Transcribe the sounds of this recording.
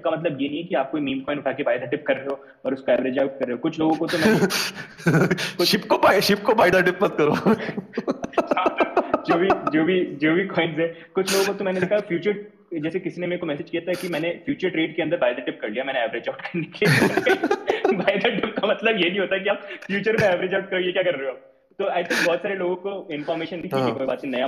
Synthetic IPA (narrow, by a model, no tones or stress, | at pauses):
kamɐt̪ləbjenɦĩɦɛkiaːp̚koimeːmkɔːɪ̃ɳɖʊʈʰakebaːɪd̪aʈɪp̚kɐɾːeɦoː | ɔːɾʊskoɛːʋɾeːd͡ʒaʊʈ̚kɐɾːeɦokʊt͡ʃʰloːɡõkot̪omɛ̃ː | kʃɪpkobaʃɪp̚kobaːɪd̪aʈɪpmɐt̪̚kɐɾoː | ãːd͡ʒoːbʱid͡ʒoːbʱid͡ʒoːbʱikɔːɪ̃nsɦɛ | kʊt͡ʃʰloːɡõkot̪omɛːned̪ekʰafjuːt͡ʃəɾ | d͡ʒɛːsekɪsinemeekomɛːsed͡ʒkijat̪aɦɛkimɛːnefjuːt͡ʃəɾʈɾeːɖkeɐ̃nd̪əɾbaɪd̪aʈɪp̚kɐɾlijamɛ̃ːneɛʋɾed͡ʒaʊʈkəɾnekeli | baɪd̪ʱaʈɪp̚kamɐt̪ləbjenĩɦoːt̪akiaːpfjuːt͡ʃəɾmẽɛʋɾed͡ʒaʊʈ̚kɐɾojekjakɐɾɾeeɦo | t̪oaɪt̪ʰɪ̃ŋk̚bʱɔɦɔt̪saːɾeloːɡõkoɪnfɔːɾmeːʃənːɦĩt̪ʰĩikojbaːt̪̚ẽnɐja